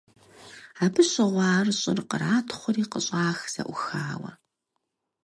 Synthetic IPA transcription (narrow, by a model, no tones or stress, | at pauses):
aːbɨɕʼɪʁʷɑːrɕʼɪrqəɾaːtʰχʷʊriːqəɕʼaːxz̥ɐ̰ʔʷʊxaːwɐ̰